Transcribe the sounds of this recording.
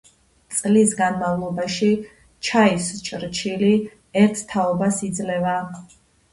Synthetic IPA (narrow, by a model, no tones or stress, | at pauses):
t̪sʼlisɡanmavlˠɔbaʃi | t͡ʃʰaist͡ʃʼɾt͡ʃʰili | ɛɾt̪ʰt̪ʰaɔbasid̪zlɛva